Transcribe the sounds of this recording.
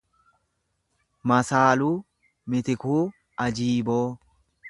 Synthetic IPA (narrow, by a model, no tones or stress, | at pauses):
mɐsaːlu | mɪt̪ɪkuː | ʔɐd͡ʒiːboː